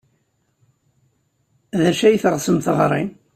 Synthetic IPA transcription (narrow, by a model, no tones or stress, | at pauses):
ðæʃæjθʁsəmθʁɾˤim